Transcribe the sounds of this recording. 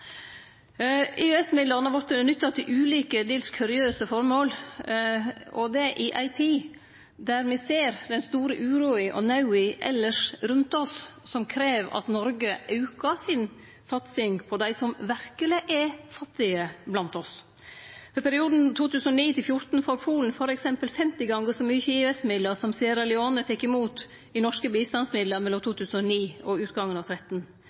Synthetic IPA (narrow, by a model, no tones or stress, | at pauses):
ɪɛsmɪd̪lɑnɑɾʋɑɾt̪nʏt̪ːɑt̪ʰɪlʔʉːliːkəd̪eːlskʰʉɾɪøːsəfɔɾmoːl | ʔɔd̪ɛʔɪʔɑɪt̪ʰiː | d̪æɾmɛseːɾd̪ɛnst̪uːɾəʔʉːɾuːɪʔɔ̰nɑʉɪʔɛ̰lːəʂɾʉnt̪ɔsːɔmkʰɾeːʋɑ̰t̪nɔɾɡəʔɑʉkɑsɪn | sɑt̪sɪŋpʰɔd̪æɪsɔmʋæɾkəlɪʔɛfɑt̪ːɪəblɑnt̪ɔs | fɔɾpʰæɾɪuːd̪n̩t̪ʰuːt̪ʉːsənɔniːt̪ɪlfjʊɾt̪n̩foːɾpʰuːln̩fɔɾɛksɛmpəlfɛmt̪ɪɡɑŋɡəsɔmyːçəɪʋɛsmɪd̪ləɾsɔmsiːəɾɛlɪoːnət̪ɛkːɪmuːt̪ | ɪnɔʂkəbiːst̪ɑnsmɪd̪ləmɛlːɔmt̪ʰuːt̪ʰʉːsn̩ɔniːɔʉːt̪ɡɑŋːənɑʋt̪ʰɾɛt̪n̩